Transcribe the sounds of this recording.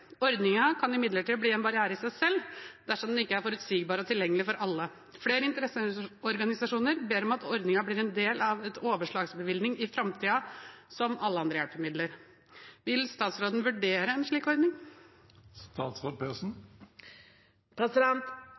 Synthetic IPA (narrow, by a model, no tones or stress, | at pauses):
ɔɾd̪nɪŋɑkʰɑnɪmɪd̪ləʈiːbliːɛnbɑɾɪæːɾəɪsæɪsɛlːd̪̥æʂɔmd̪ɛnɪkːəæɾfɔɾʉt̪siːɡbɑːɾəɔt̪ʰɪljɛŋːəlɪfɔɾɑlːə | fleːɾəɪnt̪əɾɛsəɔɾɡɑnɪsɑʂuːnəɾbeːɾɔmɑt̪ʰɔɾd̪nɪŋɑbliːɾɛnd̪eːlɑʋɛt̪ʰoːʋəʂɭɑːɡsbəʋɪld̪nɪŋɪfɾɑmt̪ʰiːɑsɔmʔɑlːəɑnd̪ɾəjæɽpəmɪd̪ləɾ | ʋɪlst̪ɑːt̪sɾoːd̪ən̩ʋʉɖeːɾəɛnʂɭiːkɔɾd̪nɪŋ | st̪ɑːt̪sʁoːd̪̚pʰesn̩ | pʰɾɛsɪd̪ɛnt̪